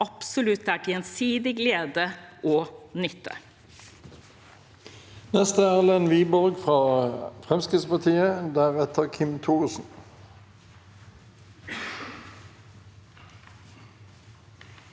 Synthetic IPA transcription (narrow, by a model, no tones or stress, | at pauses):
ʔɑpsʊlʉt̪æʈɛnsiːd̪ɪɡleːd̪əʔoːnʏt̪ʰːə̰ | nɛst̪əæːʁlənʋiːbɔʁɡfʁɑːfʁɛmskəspɑʁt̪ʰiːəd̪æːʁɛt̪ʰəʁkʰɪmt̪ʰuːʁsn̩